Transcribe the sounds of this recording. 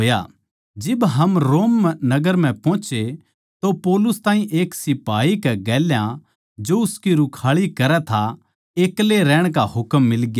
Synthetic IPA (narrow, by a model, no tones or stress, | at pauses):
oːja̰ | d͡ʒɪbɦɐmɾoːmːnɐɡəɾm̤ɛ̃pɔ̃ːt͡ʃe | t̪opɔːlʊst̪ãːɦĩʔeːksɪpaːikɛɡɛːljã | d͡ʒoʊskiɾʊkʰaːɭikɐɾɛt̪ʰa | eːkleɾɛːɽ̃k̬aɦʊkmːɪlɡjaː